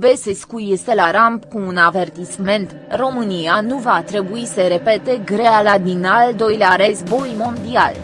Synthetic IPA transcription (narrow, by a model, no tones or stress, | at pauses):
beseskujest̪elaɾampkuːnave̞rt̪isme̞nt̪ | ro̞mɨnijanuvat̪ɾe̞buisəɾe̞pe̞t̪e̞ɡɾealad̪inald̪o̞jleaɾezbo̞jmo̞nd̪ia̰l